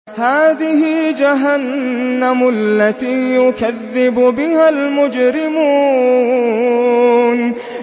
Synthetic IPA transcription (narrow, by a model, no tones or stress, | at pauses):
haːðɪhɪd͡ʒaɦanːamʊlːat̪iːjʊkaðːɪbʊbɪhalmʊd͡ʒɾɪmuː | n